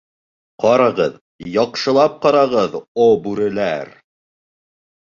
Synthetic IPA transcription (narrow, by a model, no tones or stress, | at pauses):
qɑɾɑʁɤð | jɑqʃɤ̆lˠɑp̚qɑɾɑʁɤðobʉɾɘ̆læɾ